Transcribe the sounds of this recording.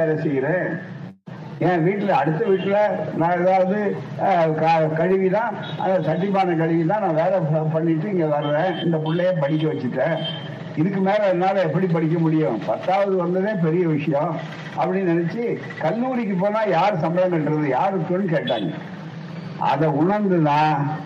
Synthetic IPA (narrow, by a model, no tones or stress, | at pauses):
ʋeːɾɐsɛjɪɾẽː | ẽːʋiːʈːɪlɐːɽɯt̪ːɐʋiːʈːɪlɐnãːɛðaːʋɐðɯ | kɐkɐɻɪʋinãːʔɐ̰nd̪ɐsɐʈːɪpːaːnɐkɐɻɪʋɪt̪ãːnãːʋeːɾɐpɐɳːɪʈːɯɪŋɡɐʋɐɾɯʋẽːɪnd̪ɐpʊɭːɐjeːpɐɽɪk̬ʲːɐʋɐt͡ʃːɯʈːẽː | ɪðɯkːɯmeːlɐɛnːaːlɐɛpːɐɽipɐɽɪk̬ːɐmʊɽɪjʊ̃pɐt̪ːaːʋɐðɯʋɐnd̪ɯðẽːpɛɾɪjɐʋɪʂɐjɔ̃ | ʔɐpːɐɽinɪnɛt͡ʃːɯ | kɐnːuːɾɪk̬ːɯp̬ːoːnãːjaːɾɯsɐmbɐlɐ̃ŋɡɐɾɐðɯjaːɾɾɯkːʊ̃nːɯkeːʈːa̰ːŋɡɐ̰ | ʔɐ̰ðɐʊɳɐɾnd̪ɯðãː